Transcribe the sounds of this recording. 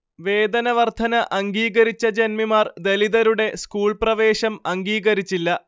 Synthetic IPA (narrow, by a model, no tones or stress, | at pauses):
ʋe̞ːd̪ɐnɐʋɐrt̪ʰɐnɐʔɐŋɡiːɣɐɾit͡ɕːɐd͡ʑe̞nmimaːrd̪e̞liðɐɾuɽe̞skuːɭprɐʋe̞ːɕɐmɐŋɡiːɣɐɾit͡ɕːilːɐ